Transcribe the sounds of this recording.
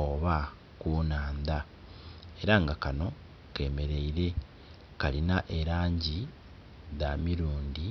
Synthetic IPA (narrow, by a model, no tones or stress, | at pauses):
oβa | kuːnaːnd̪a | e̞ɾaŋɡakano̞ | ke̞ːme̞ɾe̞iɾe̞ | kalinaʔeɾaːɲɟi | ðamiɾuːndi